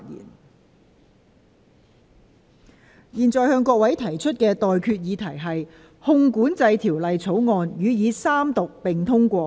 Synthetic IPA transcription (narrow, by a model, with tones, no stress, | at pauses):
jḭː˨˩n | jiː˨nt͡sɔː˨˩jhœː˧ŋkʷɔː˧k̚wɐ˨˥jt̪ʰɐ˨˩jt͡ʃʰɵ˥t̚kɛː˧t̪ɔː˨jkʰyː˧t̚jiː˨˧t̪ʰɐ˨˩jɦɐ˨j | hʊ˧ŋkuː˨˥nt͡sɐ˧jt̪ʰiː˨˩wlɐ˨jt͡sʰo˨˥wŋɔː˧njyː˨˧jiː˨˧saː˥mt̪ʊ˨k̚pɪ˨˩ŋt̪ʰʊ˥ŋkʷɔː˧